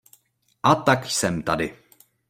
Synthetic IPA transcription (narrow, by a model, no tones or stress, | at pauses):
ʔat̪aksɛmt̪adɪ